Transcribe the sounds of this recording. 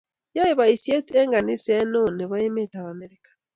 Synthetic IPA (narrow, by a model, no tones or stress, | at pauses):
jajeβaisieteŋɡanisenoneβaimetaβameɾikḁ